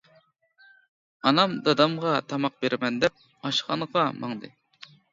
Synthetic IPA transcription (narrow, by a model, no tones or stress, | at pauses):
ɑnɑmd̪ɑd̪ɑmʁɑt̪ʰɑmɑq̚beɾɪmɛnd̪ɛp̚ | ɑʃʁɑ̰nʁɑmɑ̰ŋd̪ɨ̰